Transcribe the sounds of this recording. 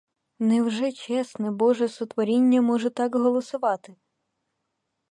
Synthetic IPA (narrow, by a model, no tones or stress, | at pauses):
nɛwʒɛt͡ʃɛsnɛbɔʒɛsʊt̪ʋɔɾʲinʲːɐmɔʒɛt̪ɑkɦɔlˠɔsʊʋɑt̪ɪ